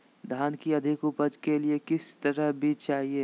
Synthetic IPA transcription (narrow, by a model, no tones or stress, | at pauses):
d̪ʱaːnkiɐd̪ʱɪkʊpəd͡ʒkeliekɪst̪ɐɾəɦbʱiːt͡ʃaːɦieː